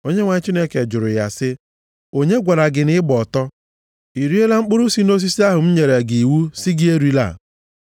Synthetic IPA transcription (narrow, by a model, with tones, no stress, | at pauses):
o˦ɲe˦ŋʷa˨ɲ˦t͡ʃi˦ne˦ke˨d͡ʒʊ˨ɾʊ˨ja˨sɪ˦ | o˦ɲe˦ɡʷa˨ɾa˨ɡɪ˨nɪ˦ɪ˦bɔ˨tɔ˦ | i˨ɾi˦e˦la˦ŋ͡m̩˦k͡pʊ˦ɾʊ˦si˦no˦s̬i˦si˦a˦ɦʊ˨m̩˦ɲe˨ɾe˨ɡi˨wu˦si˦ɡɪ˦e˦ɾi˦la̰˦˨